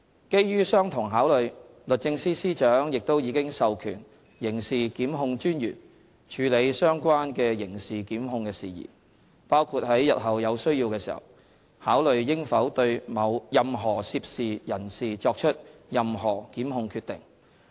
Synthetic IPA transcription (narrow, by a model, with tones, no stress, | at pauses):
ke˥jjyː˥sœː˥ŋt̪ʰʊ˨˩ŋɦaː˨˥wlɵ˨˧ɥ | lɵ˨t̚t͡sɪ˧ŋsiː˥siː˥t͡ʃœː˨˥ŋjɪ˨k̚t̪o˥wjiː˨˧kɪ˥ŋsɐ˨wkʰyː˨˩n | jɪ˨˩ŋsiː˨kiː˨˥mɦʊ˧ŋt͡ʃyː˥njyː˨˩n | t͡ʃʰyː˨˧le˨˧jsœː˥ŋkʷaː˥nkɛː˧jɪ˨˩ŋsiː˨kiː˨˥mɦʊ˧ŋkɛː˧sḭː˨jḭː˨˩ | paː˥wkʰuː˧t̚hɐ˨˥jːɐ̰˨t̚ɦɐ˨wjɐ˨˧wsɵ˥ɥjiː˧wkɛː˧sḭː˨˩hɐ̰˨˩w | haː˨˥wlɵ˨ɥjɪ˥ŋfɐ˨˥wt̪ɵ˧ɥmɐ˨˧wjɐ˨mɦɔː˨˩siː˧p̚siː˨jɐ˨˩nsiː˨t͡sɔː˧k̚t͡ʃʰɵ˥t̚jɐ˨mɦɔː˨˩kiː˨˥mɦʊ˧ŋkʰyː˧t̪ɪ˨˩ŋ